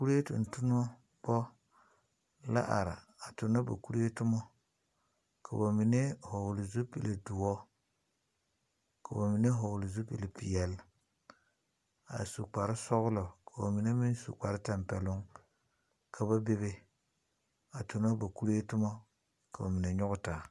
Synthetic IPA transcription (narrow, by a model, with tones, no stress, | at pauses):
ku˦ɾe˦tʊ̰˨n˨tʊ˦n˦ɔ˦ | b̥ɔ˦ | la̰˦ʔa̰˨ɾa̰˨ | a˨tʊ˨nɔ˦ba̰˨ku˦ɾe˦tʊ˦mɔ˦ | kʰa̰˨ba˨mi˨ne˦hɔ˨wʊ˨lɪ˨zu˦pi˨le˨du˨ɔ˦ | ka˨ba˨mi˨ne˦ɦɔ˨wʊ˨lɪ˨zu˦pi˨le˨pi˨jɛ˨l | a̰˨su˨k͡pa˨ɾɪ˦sɔ˦ɣʊ˦lɔ˨ka˨ba˨mi˨ne˦mi˦nsṵ˨k͡pa˨ɾɪ˦ta˨mpɛ˨lʊ˦ŋ | kʰa˨ba˦be˦βe˦ | a˨tʊ˨n˦o˦ba˨ku˦ɾe˦tʊ˦mɔ˦ | ka˨ba˨mi˨ne˨ɲʊ˦ɡʊ˦ta˨